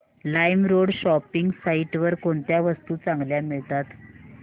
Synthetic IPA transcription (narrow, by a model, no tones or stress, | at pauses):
lajmɾoɽɕɔpiŋɡsaiʈʋəɾkoɳt̪jaʋəst̪uːt͡sãŋɡljamiɭt̪at̪